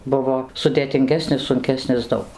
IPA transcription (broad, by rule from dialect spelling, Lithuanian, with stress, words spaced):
ˈbʊʋoː sʊdʲeːtʲɪŋʲˈɡʲæːsʲnʲɪs sʊŋʲˈkʲæːsʲnʲɪs ˈdɐʊk